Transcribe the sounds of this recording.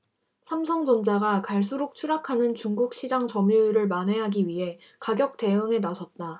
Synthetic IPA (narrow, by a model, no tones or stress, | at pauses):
sʰamsʰʌŋd͡ʑʌnd͡ʑaɡakaɭs̬͈uɾok̚t͡ɕʰuɾakʰanɯnt͡ɕuŋɡuk̚ɕ͈ʰid͡ʑaŋt͡ɕʌmjuɾɯɭmanwe̞ɦaɡiɥiɦe̞ | kaɡjʌk̚t͈e̞ɯŋe̞nasʰʌt̚t͈a